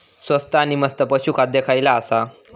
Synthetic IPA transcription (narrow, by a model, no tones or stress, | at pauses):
sʋəst̪aaːniməst̪əpəɕukʰat̪̚d̪ekʰajlaːsa